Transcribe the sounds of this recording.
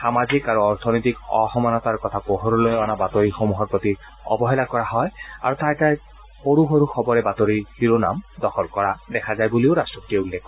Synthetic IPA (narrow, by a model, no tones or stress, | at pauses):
xamazikaɹuɔɹt̪ʰɔnɔjt̪ikɔ̰hɔmanɔtaɹkɔt̪ʰapɔɦoɹɔlojɔnabat̪oɹixomuɦɔɹpɹot̪i | ɔ̰bɔɦɛlakɔɹaɦɔja̰ɹutajtaj | xoɹuxoɹuxɔbɔɹɛbat̪oɹixiɹona̰mdɔxɔlkɔɹadɛkʰazajbulioɹastɔpɔtieulːekːɔ